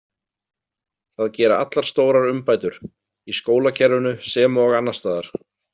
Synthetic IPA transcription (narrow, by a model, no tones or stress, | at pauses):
θaðcɛːɾaa̰t̪laɾ̥st̪oːwɾaɾʏmpaːjt̪ʏɾ̥ | iskoːwlacʰɛɾʏnʏsɛːmɔɣanːast̪aːðaɾ̥